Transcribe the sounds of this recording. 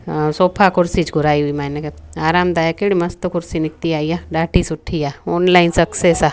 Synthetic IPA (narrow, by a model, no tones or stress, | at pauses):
soːpʰakʊɾsit͡ʃɡʱʊɾaːiɦuimɛːnekeaːɾaːmd̪aːjakeɽimɐst̪kʊɾsinɪk̚t̪iaːijaɖaːʈisʊʈʰːijaoːnlaːɪnsɐkseːsa